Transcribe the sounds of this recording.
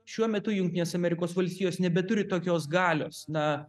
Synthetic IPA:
ʃʲuɔmʲɛt̪ʊjʊŋʲkt̪ʲiɪneːsɐmʲɛɾʲɪkoːsʋɐlʲsʲt̪ʲiːjoːsnʲɛbʲɛt̪ʊɾʲɪt̪oːkʲoːsɡɑːlʲo̰ːsnɐ

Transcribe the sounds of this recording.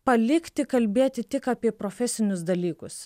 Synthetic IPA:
pɐlʲɪkʲt̪ʲɪkɐlʲbʲeːɛt̪ʲɪt̪ʲɪkaːpʲiɛpɾoːfʲɛsʲɪnʲʊsd̪ɐlʲiːkʊs

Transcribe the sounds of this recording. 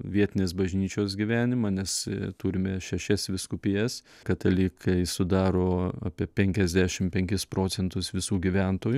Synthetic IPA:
ʋʲiɛt̪ʲɪnʲeːs̬bɐʒʲnʲiːt͡ʃʲoːsɡʲiʋʲæːnʲɪmɑnʲɛst̪uːɾʲɪmʲɛʃʲɛʃʲɛsʋʲɪskʊpʲɪjɛs | kɐt̪ɐlʲiːkʰɐɪsʊd̪ɑːɾoːɑːpʲiɛpʲɛŋʲkʲɛzʲd̪ʲæʃʲɪmpʲɛŋʲkʲɪspɾoːt͡s̪ʲɛnt̪ʊsʋʲɪsuːɡʲiʋʲɛnt̪oːjʊ

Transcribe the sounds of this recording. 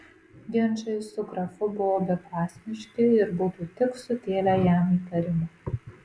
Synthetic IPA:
ɡʲɪnʲt͡ʃɐɪsʊkɾɐfʊbʊʋoːbʲɛpɑːsʲmʲɪʃʲkʲɪɪɾbʊt̪uːt̪ʲɪksʊt̪ʲeːlʲæjæmiːt̪ɐɾʲɪmʊ

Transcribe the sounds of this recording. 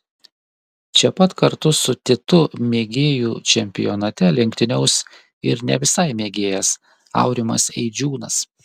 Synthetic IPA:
t͡ʃʲɛpɐt̪kɐɾt̪ʊsʊt̪ʲɪt̪ʊmʲeːɡʲeːjuːt͡ʃʲɛmʲpʲɪ̰jɔnɐt̪ʲɛlʲɪŋʲkʲt̪ʲɪnʲɛʊs | ɪɾnʲɛ̰ʋʲɪsɐɪmʲeːɡʲeːjɛs | ɑ̰ʊɾʲɪmɐ̰sɛɪd͡ʒʲuːnɐs

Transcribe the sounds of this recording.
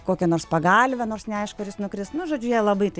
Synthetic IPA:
koːkʲɛnoːrspɐɡɐːlʲʋʲɛnoːrsnʲɛɐɪʃkʊɐrjɪsnʊkɾʲɪstnʊʒoːd͡ʒʲʊjɛːlˠɐbɐɪt̪ɐɪ

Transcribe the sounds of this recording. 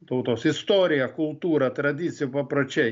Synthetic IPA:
t̪oʊt̪oːsɪst̪oːɾʲɪjɛkʊlˠt̪uːɾɐt̪ɾɐd̪ʲɪːsʲɪjʊpɐpɾoːt͡ʃʲɛɪ

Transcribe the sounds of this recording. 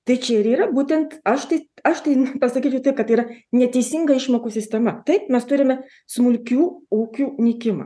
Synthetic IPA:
t̪ɐɪt͡ʃʲɛɪɾiːɾɐbuːt̪ʲɛnt̪ɐʃt̪ɐɪɐʃt̪ɐɪpɐsɐkʲiːt͡ʃʲɛʊt̪ɐɪp̚kɐt̪iːɾɐnʲɛt̪ʲɛɪsʲɪŋɡɐɪʃmoːkuːsʲɪsʲt̪ʲɛmɐt̪ɐɪpmʲɛst̪ʊɾʲɪmʲɛ | smʊlʲkʲuːuːkʲuːnʲɪkʲɪmɐ̰ː

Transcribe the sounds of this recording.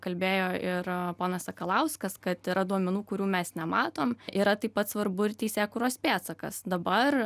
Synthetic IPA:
kɐlʲbʲeːjoːɪɾpoːnɐsɐkɐlˠɐʊskɐskɐt̪ɪɾɐd̪uɔmʲɛnuːkʊɾʲuːmʲɛsnʲɛmɑːt̪oːmʔiːɾɐt̪ɐɪpɐt̪sʋɐɾbʊɪɾt̪ʲɛɪsʲeːkʊːɾoːspʲæːt̪sɐkɐ̰sd̪ɐbɐr

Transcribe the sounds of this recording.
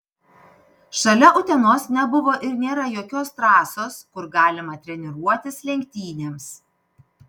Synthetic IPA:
ʃɐlʲɛʔʊt̪ʲɛnoːsnʲɛbʊʋoːʔɪɾnʲeːɾɐjoːkʲoːst̪ɾɑːsoːskʊɾɡɑːlʲɪmɐt̪ʲɾʲɛnʲɪɾuɔt̪ʲɪslʲɛŋʲkʲt̪ʲiːnʲeːms

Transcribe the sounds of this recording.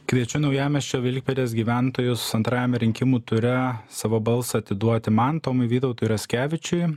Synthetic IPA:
kʋʲiɛt͡ʃʲʊnɐʊjæːmʲɛst͡ʃʲoːʋʲɪlʲk̚ʲpʲed̪ʲeːsɡʲiːʋʲæˑnt̪oːjʊssɐnt̪ɾɑːjɛmʲɛɾʲɪŋʲkʲɪmuːt̪ʊɾʲɛsɑːʋoːbɐlˠsɐɐt̪ʲɪd̪uɔt̪ʲɪmɐnt̪oːmɐɪʋʲiːt̪ɔʊt̪uːjɪɾɐsʲkʲæːʋʲɪt͡ʃʲʊɪ

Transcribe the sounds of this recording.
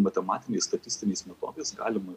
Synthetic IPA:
mɐt̪ʲɛmɑːt̪ʲɪnʲeːsst̪ɐt̪ʲɪsʲt̪ʲɪnʲeːsmʲɛt̪o̰ːd̪eɪsɡɑ̰ːlʲɪmɐ

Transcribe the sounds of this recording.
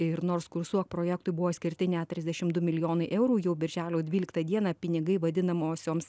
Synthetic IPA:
ɪɾnoːɾskʊɾsuɔk̚pɾoːjɛkt̪ʊɪbʊʋoːsʲkʲɪɾʲt̪ʲɪnʲæt̪ʲɾʲɪzd̪ʲɛʃʲɪmd̪ʊmʲɪlʲɪjoːnɐɪʔɛʊɾuːjɛʊbʲɪɾʲʒʲæːlʲoːdʲʋʲiːlʲɪkt̪ɐd̪ʲiɛnɑːpʲɪnʲɪɡɐɪʋɐd̪ʲɪnɐmoːsʲoːms

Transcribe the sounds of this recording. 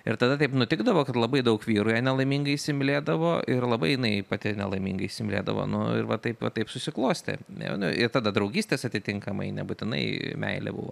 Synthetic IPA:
ɪɾt̪ɐd̪ɐt̪ɛɪpnʊt̪ʲɪɡd̪ɐʋoːkɐt̪lˠɐbɐɪd̪ɐʊkʋʲiːɾʊjɛnʲɛlˠɐɪmʲiŋɡɐɪsʲɪmʲlʲeːd̪ɐʋoːʔɪɾlˠɐbɐɪjɪnɐɪpɐt̪ʲɪnʲɛlˠɐɪmʲḭŋɡɐɪsʲɪmʲlʲḛːd̪ɐ̰ʋo̰ːnʊ̰ɪ̰ɾʋɐt̪ɐɪpʋɐt̪ɐɪpsʊsʲɪklˠoːsʲt̪ʲɛ̰nʲɛ̰nʊʔɪɾt̪ɐd̪ɐd̪ɾɐʊɡʲiːsʲt̪ʲeːsɐt̪ʲɪt̪ʲɪŋkɐmɐ̰ɪnʲɛ̰bʊt̪ʲɪnɐ̰ɪmʲɛ̰ɪlʲɛ̰bʊ̰ʋo̰ː

